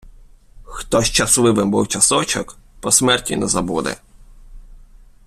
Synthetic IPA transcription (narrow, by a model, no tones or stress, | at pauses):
xt̪ɔʃt͡ʃɐslˠɪʋɪmbuwt͡ʃɐsɔt͡ʃɔ̰kpɔsmɛrtʲinɛzɐbud̪ɛ̰